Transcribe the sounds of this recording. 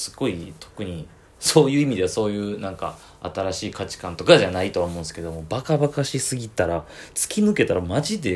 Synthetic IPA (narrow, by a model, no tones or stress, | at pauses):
sɨɡo̞it̪ʰo̞̥kɯ̟ɲ̟i | so̞ːjɯ̟ːimʲid̪e̞aso̞ːjɯ̟ːnãŋka̰ | a̰t̪aɾaɕiːkat͡ɕi̥kãnt̪o̞kaʑanait̪o̞amõːnsɨ̥ke̞d̪o̞mo̞bakabakaɕisɨɡʲit̪aɾat͡sɨ̥kʲinɯ̟ke̞t̪aɾamaʑid̪e̞